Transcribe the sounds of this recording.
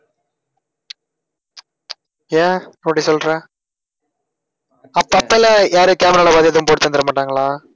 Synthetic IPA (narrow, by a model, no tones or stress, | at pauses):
jaːoɐʈːisɔlɾãː | ɐpːɐpːɛlɐjaːɾɯkaːmɛɾaːlɐbaːðijɐðɯʊmpoːʈt̪ɐnd̪ɪɾɐmaːʈːaːŋɡɐɭãː